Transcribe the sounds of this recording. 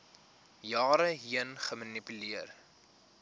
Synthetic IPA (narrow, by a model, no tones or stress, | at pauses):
jɑːɾəɦiənχəmɐnipyliər